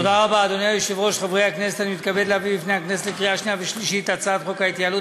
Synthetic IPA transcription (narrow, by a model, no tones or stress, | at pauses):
od̪aʁabaːd̪onejajoʃevʁo̞ʃχavʁehakneset̪animit̪kabed̪labibifnehakneset̪lekʁiaʃniaveʃliʃit̪at͡sat̪χo̞kait̪jalu